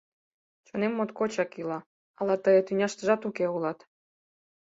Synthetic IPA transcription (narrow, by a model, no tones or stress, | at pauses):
t͡ɕonemːot̪kot͡ɕɑkilɑ | ɑlɑt̪əjət̪ynʲɑʃt̪əʒɑt̪ukeulɑt̪